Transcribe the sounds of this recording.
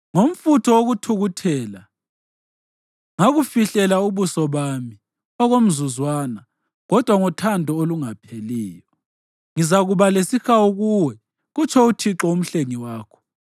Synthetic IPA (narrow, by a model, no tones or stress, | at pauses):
ŋom̩futʰɔoɣutʰuɣutʰɛːla | ŋaɣufiɬɛlauβusɔβami | ɔɣom̩zuzwaːna | ɣɔd̥ʱwaŋɔtʰandʱɔoluŋapʰeliːjɔ | ŋizaɣuβalesixaoɣuwɛ | ɣut͡ʃʰɔutʰiǁɔum̩ɬeŋiwaːkʰɔ̥